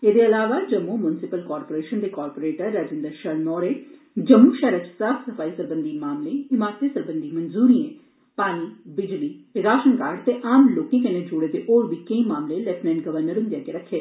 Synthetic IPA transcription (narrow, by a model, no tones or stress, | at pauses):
eːd̪eɐlaːʋaːd͡ʒɐmːumʊnɪsɪpəlkɔːɾpoːɾeːʃənd̪ekɔːɾpoːɾeːʈəɾːaːd͡ʒɪ̃nd̪əɾʃəlnɔːɾeː | d͡ʒəmːuʃɛːɾət͡ʃsaːfʰsɐfaːisəɾbə̃nd̪imaːmlẽɪmaːɾt̪esɐɾbə̃nd̪imɐnzuːɾiːẽː | paːɽ̃iːbɪd͡ʒliːɾaːʃənkaːɾt̪eʔaːmloːkẽkɐnẽd͡ʒoɽet̪eʔoːɾbiːkẽĩmaːmlelɛːpnɛ̃ːɳʈɡəʋəɾnəɾɦʊ̃nd̪jakeɾɐkʰːeː